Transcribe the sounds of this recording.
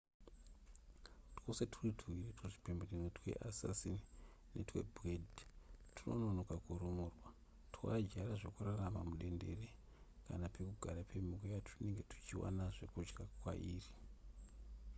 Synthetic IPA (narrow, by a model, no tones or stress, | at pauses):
twose̞tʰuritʰuwirituʐi̥pemberinetwe̞̰ʔasa̰sini | nḛtwe̞̰bwedtʰuno̰nonokakuɾumurwa | tʰuwad͡ʒaɾaʐe̞kuraramamuɗe̞nde̞̰re | kanape̞kuɡʱaɾapʰe̞mikojatʰune̞ŋɡe̞tʰu̥t͡ʃiwa̰naʐe̞kud͡ʒɡakwa̰ʔiːri